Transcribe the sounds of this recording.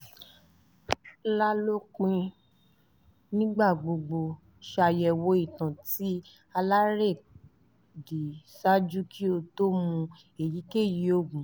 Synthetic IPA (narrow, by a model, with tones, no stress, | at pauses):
la˦lo˦k͡pĩ˧ | nĩ˦ɡ͡ba˦˨ɡ͡bo˧ɡ͡bo˧ | ʃa˧jɛ˧˨wo˧˦i˦˨tã˨ti˦ | a˧la˦ɾe˦˨ | di˨sa˦d͡ʒu˦ki˦o˧to˦mũ˧ | e˨ji˨˦ke˦˨ji˨˦o˦˨ɡũ˨˦